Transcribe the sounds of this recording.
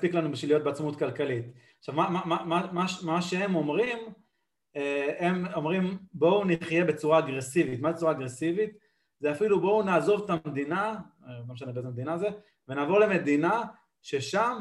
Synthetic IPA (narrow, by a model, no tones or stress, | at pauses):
spiklanubiʃilijo̞t̚beat͡smut̪kalkalit̪aʃavmamamamamaʃmaʃeemo̞mʁim | eemo̞mʁimbo̞uniχje̞be̞t͡suʁaːɡʁe̞sivit̪mazet͡suʁaːɡʁesivit̪ | zeafilubo̞unaːzo̞vt̪amed̪inaɡameʃ̬anebeezemed̪inaːze | venaːvo̞ʁle̞me̞d̪ina | ʃe̞ʃam